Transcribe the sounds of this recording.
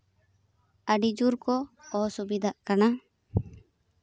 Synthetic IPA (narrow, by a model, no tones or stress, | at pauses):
əɖid͡ʒuɾkɔɔsubid̪ʱaʔkana